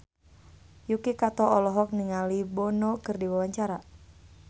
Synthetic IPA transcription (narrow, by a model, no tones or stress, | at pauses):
jukikat̪ɔɔlɔɦɔk̚niŋalibɔnɔkɨrdiwawaɲt͡ʃaɾa